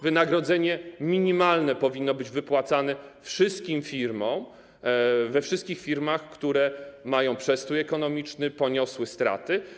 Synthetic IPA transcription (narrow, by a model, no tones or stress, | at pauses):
vɘnaɡɾɔd̪zɛɲɛmʲiɲimalnɛpɔvʲinːɔbɘd͡ʑvɘpwat̪sanɛfʂɘst̪̚kʲimfʲiɾmɔ̃m | vɛfʂɘst̪kʲixfʲiɾmaxkt̪uɾɛmajɔ̃w̃pʂɛst̪ujɛkɔnɔmʲit͡ʂnɘpɔɲɔswɘst̪ɾa̰t̪ɘ